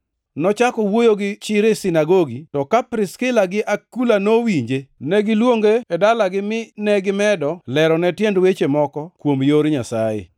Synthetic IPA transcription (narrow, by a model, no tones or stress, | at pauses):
nɔt͡ʃakɔwojoɡɪt͡ʃɪɾesɪnaɡoɡitɔkapɾɪskɪlaɡɪʔakulanowiɲd͡ʒenɛɡɪlwoŋɡeːdalaɡɪmɪnɛɡɪmɛdɔlɛɾɔnɛtjɛndwet͡ʃemɔkɔkwomjoɾɲasajḛ